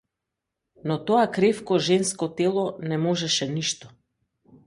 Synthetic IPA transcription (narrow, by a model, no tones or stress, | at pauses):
nɔt̪ɔakɾɛfkɔʒɛnskɔt̪ɛlˠɔnɛmɔʒɛʃɛniʃt̪ɔ̥